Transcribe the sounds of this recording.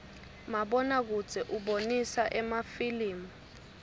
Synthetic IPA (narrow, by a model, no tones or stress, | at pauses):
maɓɔnak̬ud̥d͡z̥ʱɛʔuɓonisaʔɛmafiliːmɔ